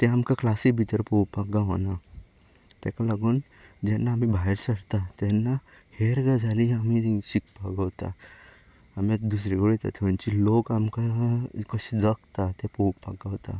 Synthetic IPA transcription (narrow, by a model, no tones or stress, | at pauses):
t̪eɦɐmkaklaːsibʱit̪əɾpoːpaɡaɦoːna | t̪eːkalɐɡun | d͡ʒenamibʱajɾsɐɽt̪at̪enːa | heɾɡad͡ʒaliɐmĩsik̚paɡat̪a̰ | ɐmed̪us̬ɾeɡoɽit̪ḛt̪ʰont͡ʃiloːɡɐmkakosidəkt̪at̪epopaɡaɦot̪a̰